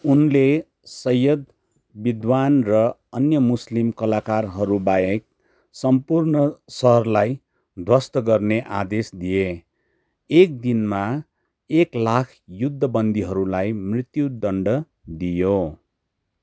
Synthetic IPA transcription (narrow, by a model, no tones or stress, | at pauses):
unle | sʌjʌd̪ | bid̪wanrʌʌnjʌmuslimkʌlakarɦʌɾubajek̚ | sʌmpurnʌsʌɦʌrlaj | d̪ʱwʌst̪ʌɡʌrneʔa̰d̪esd̪ije | ek̚d̪inma | eklakʰjud̪ʱːʌbʌnd̪iɦʌɾulajmrit̪jud̪ʌɳɖʌ | d̪ijo